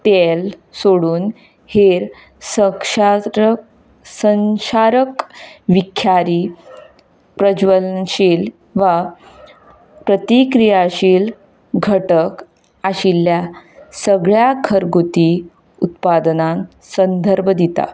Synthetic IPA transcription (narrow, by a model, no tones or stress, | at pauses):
t̪elsoɽuːn | heɾ | səʂ | sənɕaɾəkʋikʰjaɾiː | pɾəd͡ʑʋəlɕiːl | ʋa | pɾət̪ikɾijaɕiːl | ɡʱəʈək | aɕilːjasəɡɭjakʰəɾɡut̪i | ut̪pad̪nãn | sənd̪ʱəɾbʱəd̪it̪a̰